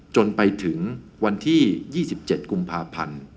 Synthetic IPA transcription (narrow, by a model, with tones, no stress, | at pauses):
t͡ɕo˧npa˧jt̪ʰɯ˩˦ŋ | wa˧nt̪ʰiː˥˩jiː˥˩si˨˩p̚t͡ɕe˨˩t̪̚ku˧mpʰaː˧pʰa̰˧n